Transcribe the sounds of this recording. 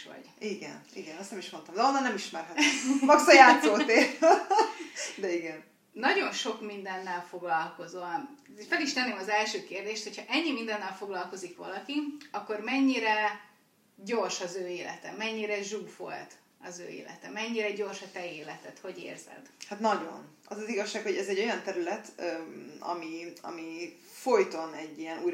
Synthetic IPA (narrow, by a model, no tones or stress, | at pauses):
ʋɒ̰ɟ̥iɡɛ̰niɡɛnɛst̪nɛmiʃmo̞nt̪ɒmd̪ɛonːɒnɛmiʃmɛrɦɛt̪mɒksɒjaːt̪soːt̪eː | d̪ɛiɡɛn | nɒɟo̞nʃo̞kmind̪ɛnːɛlfo̞ɡlɒlko̞zonfɛliʃt̪ɛnːeːmɒzɛlʃøːkeːrd̪eːʃt̪ho̞chɒʔɛɲːimind̪ɛnːɛlfo̞ɡlɒlko̞zikʋɒ̰lɒkiɒkːo̞rmɛɲːiɾɛ | ɟo̞rʃɒzøːeːlɛ̰t̪ɛmɛɲːiɾɛʒuːfo̞̰lt̪ | ɒzø̰ːḛːlɛ̰t̪ɛmɛɲːiɾɛɟo̞rʃɒt̪ɛeːlɛt̪ɛt̪ho̞ɟḛːrz̥ɛ̰d̪hat̪nɒɟo̞̰n | ɒzɒziɡɒʃːaːkho̞ɟɛzɛɟːo̞jɒnt̪ɛɾylɛt̪ː | ɒ̰miɒ̰mi | fojt̪o̞nɛɟːiɛnuːj